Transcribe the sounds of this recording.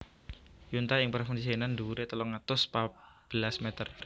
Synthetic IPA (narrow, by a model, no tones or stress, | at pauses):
junt̪aɪŋpərfundisienand̪uɾet̪əlɔŋat̪ʊspab̥əlasmɛt̪ər